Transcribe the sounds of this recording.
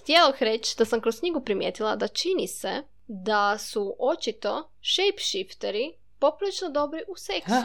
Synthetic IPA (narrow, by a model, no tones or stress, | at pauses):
xt̪jeloxɾet͡ɕd̪asamkɾoskɲiɡupɾimjeːt̪ilˠa̰d̪at͡ʃinise | d̪asuʔo̞t͡ʃit̪o̞ | ʃejpʃift̪eɾi | po̞pulˠit͡ʃnod̪o̞bɾiʔusek